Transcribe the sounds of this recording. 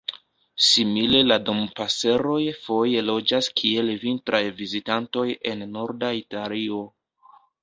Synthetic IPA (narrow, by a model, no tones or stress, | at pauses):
simile̞lado̞mpase̞ɾo̞jfo̞je̞lo̞d͡ʒaskʰie̞lvintɾajvizitanto̞je̞nːo̞ɾdaitalio̞